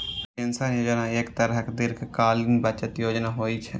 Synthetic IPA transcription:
ɪnsaːnjoːd͡ʒnãːɪkt̪əɾɦəkd̪ɪɾkʰkaːlĩbət͡ʃət̪joːd͡ʒnaːɦoːiːt͡ʃʰɛ

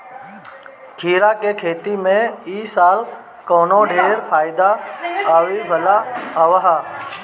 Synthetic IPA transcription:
kʰiːɾaːkekʰeːt̪imẽiːsaːl | koːnoːɖʱeːɾpʰaːɪd̪aaːʋibʱəlaəʋaɦaː

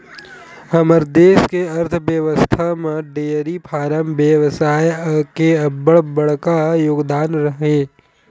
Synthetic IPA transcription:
hɐməɾd̪eːskeɐɾt̪ʰbjəʋəst̪ʰamẽɖeːɾipʰaːɾəmbjəʋsaːjkeɐbəɽbəɽkajoːɡd̪aːnɾəɦeː

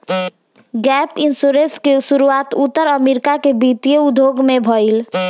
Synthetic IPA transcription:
ɡɛpinsuɾẽskesuɾuat̪ut̪ːəɾəmeɾikakebit̪ijeud̪ʱjoɡmebʱɔil

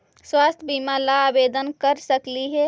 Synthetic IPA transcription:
swast̪ʰbimalaːbed̪ənkəɾsəkliɦɛ

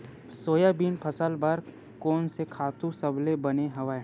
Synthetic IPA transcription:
soːjabiːnpʰəsəlbɐɾ | kɔːnsekʰaːt̪ũsɐblebɐneɦɐʋa

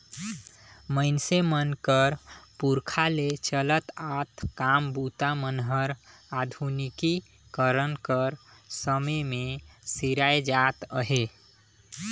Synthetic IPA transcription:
məɪnsemənkəɾpuɾkʰalet͡ʃələt̪at̪kambut̪amənɦəɾad̪ʱuniki | kəɾənkəɾ | səməmesiɾaed͡ʒat̪əɦe

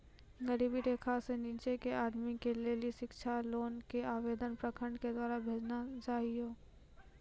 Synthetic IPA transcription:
ɡəɾiːbid̪eːkʰaseniːt͡ʃekeʔaːd̪mikeleːlieʃɪkʃʰaloːnkeaːʋeːd̪ənpɾəkʰəɳɖked̪waːɾabʱeːd͡ʒnat͡ʃaːɦijoː

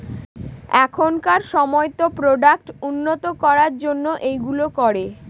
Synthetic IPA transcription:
ɛkʰonkaɾʃɔmɔet̪opɾoɖak̚ʈunːot̪okɔɾaɾd͡ʑonːoʔejɡulokɔɾe

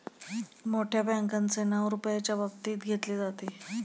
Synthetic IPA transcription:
moʈʰjabaŋkant͡senəʋɾupjat͡ɕjabək̚t̪iːt̪ɡʱet̪led͡zat̪e

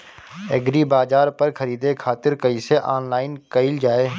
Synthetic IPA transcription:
ɛɡɾibaːzaːɾpəɾkʰəɾiːd̪ekʰaːt̪ɪɾkɐiseʔaːnlaːɪnkəɪld͡ʒaːeː

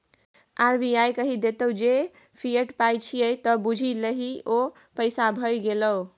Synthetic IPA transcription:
aɾbiajkəɦid̪et̪əwd͡ʒe | pʰiəʈpajt͡ʃʰijəjt̪ɔbud͡ʒʱiləɦio | pəjsabʱəjɡelə

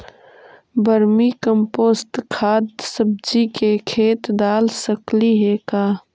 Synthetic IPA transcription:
bəɾmikəmpoːsʈkʰaːd̪səb̚d͡ʒikekʰeːt̪d̪aːlsəkliɦekaː

